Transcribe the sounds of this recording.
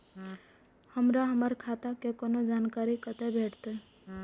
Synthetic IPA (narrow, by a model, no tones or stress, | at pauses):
həmɾaɦəməɾkʰat̪akekonod͡ʒankaɾikət̪ebʱeʈt̪e